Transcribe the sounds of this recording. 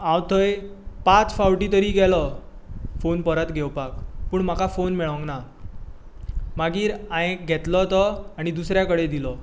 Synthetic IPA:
ãwt̪ʰəj | pat͡sfawʈit̪əɾiːɡɛlɔ | fonpəɾət̪ɡʱɛwpakpuːɳmakafonmɛɭə̃ŋɡna | maɡiːɾãjẽkɡʱɛt̪lɔt̪ɔaɽ̃id̪usɾjakəɽed̪ilɔ

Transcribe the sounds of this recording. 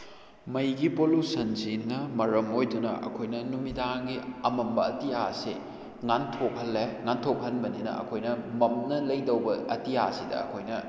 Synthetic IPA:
mɐjɡipolusɐnzinːɐmɐɾɐmojdunɐ̰ʔɐ̰kʰojnɐnumidaŋɡiɐmɐmbɐɐtiasi | ŋantʰop̚hɐlːeŋantʰop̚hɐnbɐninɐ̰ɐ̰kʰojnɐmɐmnɐlɐjdɐwbɐɐtiasidɐ̰ɐ̰kʰojnɐ

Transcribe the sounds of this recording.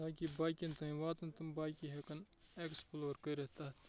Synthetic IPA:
aːkibaːjkʲint̪ɐĩʋaːt̪ɐnt̪ɐmbaːjkʲiɦekɐn | eksploːɾkɐɾeht̪ɐt̪

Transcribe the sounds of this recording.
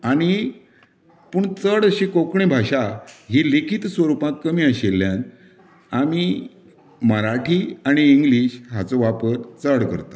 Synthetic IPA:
aɽ̃i | puːɳt͡səɽəɕekokɳebʱaɕaɦilikʰit̪sʋəɾupãt̪̚kəmiːəɕelːjãn | ami | məɾaʈʰiaɽ̃iːŋɡliːɕɦat͡sɔʋapəɾt͡səɽkə̰ɾt̪ḁ

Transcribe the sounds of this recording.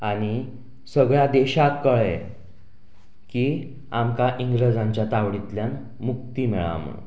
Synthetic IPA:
aɽ̃i | səɡɭjad̪eɕakkːəɭe | kiː | amkaʔiŋɡɾəd͡zãɲt͡ɕjat̪aʋɽit̪ljan | muk̚t̪iːmeɭa̰mə̰

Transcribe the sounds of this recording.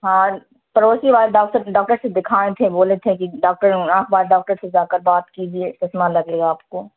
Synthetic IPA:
ɦaː | pɐɾoːsiʋaːlɖaːksəɾɖaːk̚ʈəɾsed̪ɪkʰaːet̪ʰẽboːlet̪ʰẽkiɖaːk̚ʈəɾãːkʰbaːɾɖaːk̚ʈəɾsed͡ʒaːkəɾbaːt̪kid͡ʒieːɪst̪ɪsmalɐɡeːɡaaːpkoː

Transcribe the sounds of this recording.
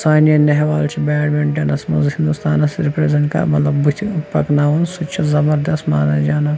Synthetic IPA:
saːnijɐnɐɦʋaːlt͡ʃʰibɛːɽmeɳʈɐnɐsmɐ̰zhĩnd̪ust̪aːnɐsɾipɾezẽɳʈkɐ̰mɐt̪lɐbut̪ʰpɐknaːʋɐnsut͡ʃʰizɐbɐɾd̪ɐsmaːnɐd͡ʒaːna

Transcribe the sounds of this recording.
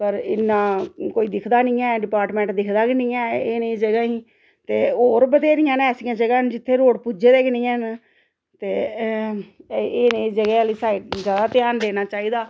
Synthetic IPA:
pəɾɪ̰nːãːkoːiːd̪ɪkʰd̪aːnĩːɛ̃ːɖɪpaːɾʈmɛ̃ːɳʈd̪ɪkʰd̪aːkɪnɪ̃ːɛːeːned͡ʒəɡaːiː | t̪eːoːɾbəd̪eːɾɪ̃ːãːnɛːsĩːãːd͡ʒəɡaːnd͡ʒɪt̪ʰːeːɾoːɽpud͡ʒeːd̪eːkɪnĩːɛːn | t̪eː | eːnẽːd͡ʒəɡɛːliːsaːɪʈ̚d͡ʒjaːd̪aːt̪ɪjaːnd̪eːnaːt͡ʃaːiːd̪aː

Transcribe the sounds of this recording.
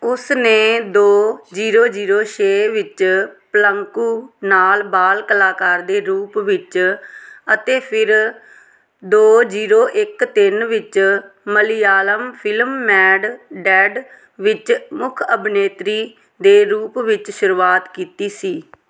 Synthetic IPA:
ʊsneːd̪oːd͡ʒiːɾoːd͡ʒiːɾoːʃʰeːʋɪt͡ʃpələŋkuːnaːlbaːlkəlaːkaːɾd̪eːɾuːpʋɪt͡ʃ | ət̪eːpʰɪɾ | d̪oːd͡ʒiːɾoːʔɪkt̪ɪnʋɪt͡ʃməlijaːləmpʰɪlmːɛːɖɖɛːɖ | ʋɪt͡ʃmʊkʰəbneːt̪ɾiː | d̪eːɾuːpʋɪt͡ʃʃʊɾuːaːt̪kiːt̪iːsiː

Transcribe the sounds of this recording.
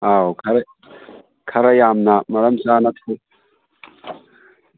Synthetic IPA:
awkʰɐɾ | kʰɐɾɐjaːmnamɐɾɐmsaːnat̪ʰu

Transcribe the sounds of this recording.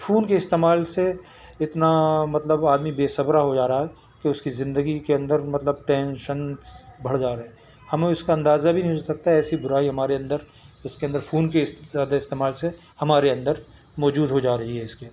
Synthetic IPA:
fʰuːnkeɪst̪eːmaːlse | ɪt̪namɐt̪ləbaːd̪mibeːsɐbɾaɦod͡ʒaːɾaaɦɛ | keʊskizɪ̃nd̪əɡikeɐ̃nd̪əɾmɐt̪ləb̚ʈɛ̃ːnʃənsbɐɽ̤d͡ʒaːɾɐɦɛ̃ː | hɐmeʊskaɐ̃nd̪aːzabʱinɐɦĩsɐk̚t̪aɛːsibʊɾaːiɦɐmaːɾeɐ̃nd̪əɾ | ʊskeɐ̃nd̪əɾfʰuːnk̬ezaːd̪aɪst̪eːmaːlse | hɐmaːɾeɐ̃nd̪əɾ | mɔːd͡ʒuːd̪ɦod͡ʒaːɾɐɦiɦɛɪske

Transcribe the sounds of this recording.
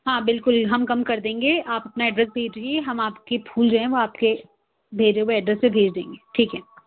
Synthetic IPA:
ɦãːbɪlkʊlɦɐmkɐmkɐɾd̪ẽːŋɡeʔaːpɐpnaɛːɖɾɛs̬bʱeːd͡ʒd̪ẽeɦɐmaːpkepʰuːld͡ʒoːɦɛ̃ʋoaːpke | bʱeːd͡ʒeweɛɖɾɛssebʱeːd͡ʒd̪ḛ̃ːŋɡeːʈʰiːkɦɛ

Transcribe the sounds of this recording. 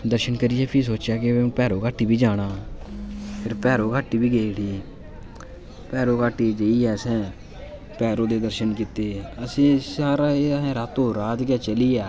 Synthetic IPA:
d̪əɾʃənkəɾiːɛːpʰiːs̬oːt͡ʃjaːkɪepɛːɾõːkaːʈːiːbiːd͡ʒaːɽ̃aː | pʰɪɾpɛːɾõːkaːʈːiːbiːɡeːɽiː | pɛːɾoːkaːʈːiːd͡ʒeːiːɛːsɛ̃ː | pɛːɾõːd̪eːd̪əɾʃənkit̪eːəsĩːsaːɾaːeɛ̃ːɾaːt̪õːɾaːt̪kɛːt͡ʃəliːɛː

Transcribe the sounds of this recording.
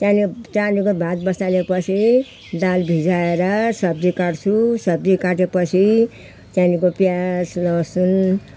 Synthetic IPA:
t̪anit͡sanikobʱãt̪̚bʌst̪alepʌt͡sʰi | d̪albʱid͡zaeɾʌsʌb̚d̪ikaʈt͡sʰusʌb̚d̪ikaʈepʌt͡sʰi | tanikopjaslʌsun

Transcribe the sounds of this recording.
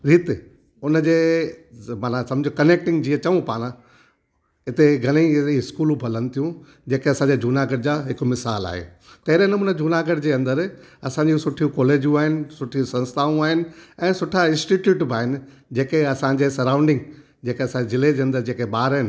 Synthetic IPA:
ɾiːt̪e | ʊnəd͡ʑeː | maːnasɐmd͡ʑʱokɐneːk̚ʈɪ̃ŋɡd͡ʑiːət͡ɕɐʋũpaːɽ̃ã | ɦɪt̪eɡʱɐleiiɪskuːlũbʱɐlənɪ̆t̪ʰijũ | d͡ʑeːkeɐsãɲd͡ʑed͡ʑʱuːnaːɡəɽ̚d͡ʑaːɦɪkmɪsaːla̰ːɦḛː | t̪ɐɦɪɾenɐmuːnəd͡ʑʱuːnaːɡəɽd͡ʑeːɐ̃nd̪əɾ | ɐsãːɲd͡ʑĩsʊʈʰijũkɔːleːd͡ʑjũaːɦɪnɪ̆sʊʈʰijũsɐ̃nst̪ʰaːũaːɦɪnɪ̆ɛ̃ːsʊʈʰaɪ̃nsʈiʈjuːʈbʱaːɦɪnɪ̆ | d͡ʑeːkeɐsãɲd͡ʑeːsɐɾãːʊ̃ɳɖɪ̃ŋɡ | d͡ʑeːkeɐsãezɪled͡ʑeːɐ̃nd̪əɾd͡ʑeːkeɓaːɾəɦɪnɪ

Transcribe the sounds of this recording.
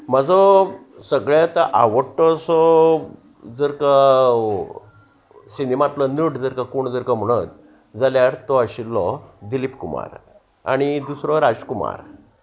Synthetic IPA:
məd͡zɔ | səɡɭat̪əʔa̰ʋəʈɔsɔ | d͡zəɾka | sinimat̪lɔnəʈd͡zəɾkakoɳd͡zəɾkam̤əɽ̃ət̪̚ | d͡zaljaɾt̪ɔəɕilːɔd̪ilipkuma̰ɾ | a̰ɽ̃id̪usɾɔɾad͡zkuma̰ɾ

